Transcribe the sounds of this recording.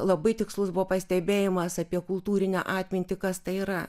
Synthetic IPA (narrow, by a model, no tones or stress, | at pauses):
lˠɐbɐɪt̪ʲɪkslˠʊsbʊʋɔːpɐsʲt̪ʲɛbʲeːjɪmɐsɐpʲiɛkʊlˠt̪uːɾʲɪnʲɛ̰ʔɑːt̪ʲmʲɪnʲt̪ʲɪkɐst̪ɐɪiːɾɐ